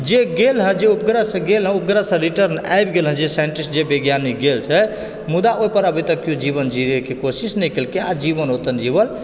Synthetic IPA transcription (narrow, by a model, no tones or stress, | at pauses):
d͡ʒeɡelɦə̃d͡ʒeup̚ɡɾəsə̃ɡelɦə̃up̚ɡɾəsə̃ɾiʈəɾna̰jbɡelɦə̃d͡ʒesajiɳʈisʈd͡ʒebeɡjaniɡelt͡ʃʰɛ | mud̪aʔoipəɾəbʱit̪əkːjõd͡ʒibənd͡ʒiɾekekosisnəjkelkead͡ʒibənɦot̪ənd͡ʒibəl